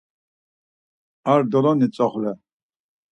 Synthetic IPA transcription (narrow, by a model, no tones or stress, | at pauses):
aɾd̪ɔlɔnit͡sʼɔχlɛ